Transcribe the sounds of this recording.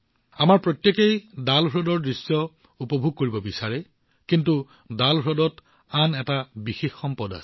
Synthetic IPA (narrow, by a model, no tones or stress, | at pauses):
amaɹpɹotjekejdalɦɹɔdɔɹdɹisːɔ | upɔbʱuɡ̚koɹibɔbisaɹɛ | kintu | dalɦɹɔdɔt | anɛtabixexːɔmpɔda̰sɛ̥